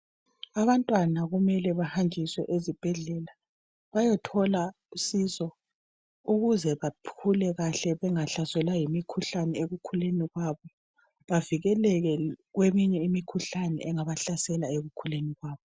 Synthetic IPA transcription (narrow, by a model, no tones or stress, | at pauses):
aβantʼwanaɣumɛlɛβahand͡ʒʱiswɛʔezib̥ʱɛɮɛla | βajɔtʰɔla | usizɔ | uɣuzɛβapʰulɛɣaɬɛβɛŋaɬasɛlajimikʰuɬanɛeɣukʰuleniɣwaβɔ | βaviɣɛlɛɣɛɣwemiɲɛimikʰuɬanɛʔɛŋaβaɬasɛlaeɣukʰuleniɣwaːβɔ